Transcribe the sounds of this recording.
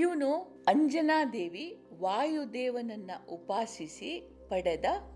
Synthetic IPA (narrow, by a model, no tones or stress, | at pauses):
juːnu | ɐɲd͡ʒɐnaːd̪eːʋiʋaːjud̪ɛːʋɐnɐnːɐʔupaːsisi | pɐɽɐd̪ɐ